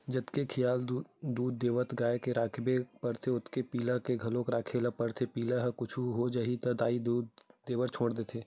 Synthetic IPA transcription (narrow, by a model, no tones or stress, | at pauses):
d͡ʒɐt̪kekʰɪjaːld̪uːd̪ːeːʋət̪ʰɡaːjekeɾaːkʰbepɐɾt̪ʰeʊt̪kepiːləkeɡʱɐlõkɾaːkʰeləpəɾt̪ʰepiːləɦkʊt͡ʃʰuɦod͡ʒaːɦit̪ɐd̪aːid̪uːd̪d̪eːʋəɾt͡ʃʰoːɽd̪eːt̪ʰeː